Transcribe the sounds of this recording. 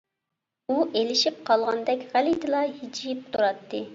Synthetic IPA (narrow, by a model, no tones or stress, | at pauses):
uʔelɪʃip̚qʰɑlˠʁɑnd̪ɛkʲʁælid̪ɨlˠɑhid͡ʒijip̚t̪ʰuɾɑt̪ʰːɨ